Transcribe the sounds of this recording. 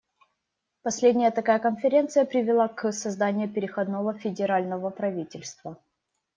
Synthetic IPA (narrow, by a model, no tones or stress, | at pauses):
pɐsʲlʲedʲnʲɪjət̪ɐkajəkənfʲɪɾʲe̞nt̪sɨjəpɾʲɪvʲɪlˠaksɐzd̪anʲɪjʊpʲɪɾʲɪxɐd̪novəfʲɪdʲɪɾalʲnəvəpɾɐvʲitʲɪlʲst̪və